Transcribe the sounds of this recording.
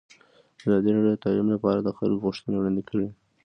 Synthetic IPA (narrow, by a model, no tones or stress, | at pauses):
əzɑd̪iɾɑɖjod̪ət̪alimlapɑɾad̪əxa̰lkɣuʃt̪ənewɽɑnd̪ɪkʰəɽi